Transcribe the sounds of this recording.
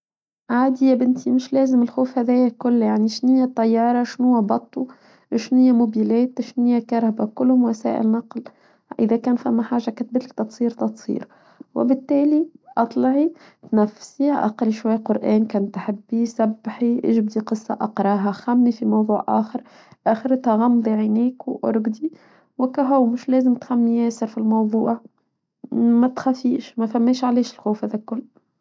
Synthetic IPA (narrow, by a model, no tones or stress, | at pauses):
ʕaːd̪ijæbɪnt̪imɪʃlɛːzɪmɪlxuːfhæðɛːjækʊlːjaʕniʃnɪjːat̪ˤːɑjːɑːɾˤɑʃnʊːabɑt̪ˤːu | ʃnɪjːamʊbilɛːt̪ʃnɪjːakɑɾˤhabakʊlːhʊmwasæ̰ːʔɪ̰lnɑql | ʔɪ̰ðækæːnfæmːaħaːʒːakæt̪̚bɪt̪lk̚t̪ɑt̪sˤiːɾt̪ɑt̪sˤḭːɾ | wɪ̰bɪt̪ːæːliʔɑt̪ˤlɑʕi | t̪næfsiʔɑ̰qɾiʃwajːqʊɾʔæːnkæːnt̪ħɪbːisabːħiʔḛːʒɪbd̪iqɨsˤːɑ̰ʔɑqɾˤɑːɦɑxæmːifimɑwðˤuːʕʔæ̰ːxɪɾ | ʔæːxɪɾt̪haɣɑmd̪ˤiʕineːkwʔʊ̰ɾɡd̪i | wɪkæɦʊwmɪʃlæːzɪmt̪xæmːijæːsɑɾfilmɑwðˤuːʔɑ | mæt̪xæfiːʃmæfæmːeːʃʕaleːʃɪlxuːfhæːðækʊlː